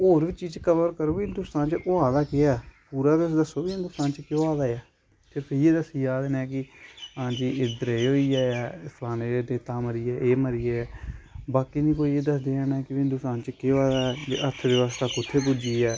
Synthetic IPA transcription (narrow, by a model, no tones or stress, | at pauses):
oːɾʋiːt͡ʃiːt͡ʃkəʋəɾkəɾoːbiɪnd̪ʊst̪ãːnt͡ʃəʔoaːd̪aːkeaːpuːɾaːɾɪsd̪əsoːbiːɪ̃nd̪ʊst̪aːnt͡ʃkjoːaːd̪aːjaː | pʰeɾpʰeɾjeːd̪əsiːd͡ʒaːd̪eːnɛ̃ːk̬ɪãːt͡ʃiɪd̪əɾeːɦoːiːd͡ʒaːjɛːsaːneːɾeːneːt̪aːməɾiːɛːʔeːməɾiːɛːbaːkiːnĩːkoːiːeːd̪əsd̪eːɛːnɛːkɪʋɪnd̪ʊst̪aːnt͡ʃkeaːd̪aːd͡ʒ̰ʔət̪ʰʋɪʋaːst̪aːkʊt̪ʰːeːbʊd͡ʒiːɛː